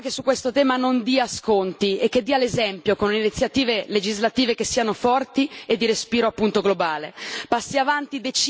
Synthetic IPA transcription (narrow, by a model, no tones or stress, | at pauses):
k̟esukːwest̪ot̪ɛːmanond̪iaskont̪iek̟ːed̪ːiːalezɛmpjokonleinit̪sjat̪iːveled͡ʒizlat̪iːvek̟esːiːanofɔrt̪ied̪ːiɾespiːɾoapːunt̪oɡlobaːlepasːiavant̪id̪et͡ʃ